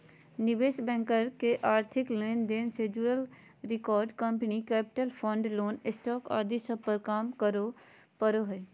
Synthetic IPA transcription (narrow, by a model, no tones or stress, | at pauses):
nɪbeːʃbɛ̃ːŋkəɾkeʔaːɾt̪ʰɪkleːnd̪eːnsed͡ʒuəl | ɾɪkɔːɾɖkə̃mpənikɛːpɪ̥ʈəlpʰɔ̃ːɳɖloːnɪsʈɔːka̰ːd̪isəpəɾkaːmkəɾo | pəɾoɦeː